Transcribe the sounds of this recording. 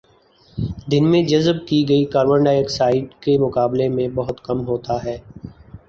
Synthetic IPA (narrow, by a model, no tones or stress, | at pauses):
d̪ɪnmẽd͡ʒɐzb̚kiɡɐikaːɾwə̃ɳɖaeːksaːɪɖkemʊkaːblemẽbɐɦʊt̪kɐmɦoːt̪aɦɛː